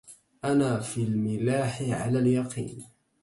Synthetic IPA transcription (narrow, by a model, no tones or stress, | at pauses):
ʔanaːfiːlmɪlaːħɪʕa̰laːljɑqḭːn